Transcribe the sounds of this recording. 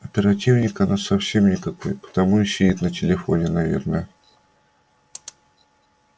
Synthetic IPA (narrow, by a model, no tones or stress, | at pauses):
ɐpʲɪɾɐtʲivnʲɪkɐnasɐfsʲe̞mnʲɪkɐko̞̰jpə̥t̪ɐmuɪɕʲɪit̪nətʲɪlʲɪfo̞̰nʲɪnɐvʲḛrnəjə